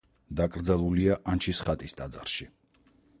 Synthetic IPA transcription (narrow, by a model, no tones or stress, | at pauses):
d̪akʼɾd̪zalˠuliaʔant͡ʃʰisχat̪ʼist̪ʼad̪zaɾʃi